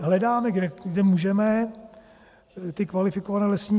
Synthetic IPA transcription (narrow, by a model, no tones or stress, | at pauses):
ɦlɛdaːmɛɡdɛɡdɛmuʒɛmɛ | t̪ɪkvalɪfɪkovanɛːlɛsɲiː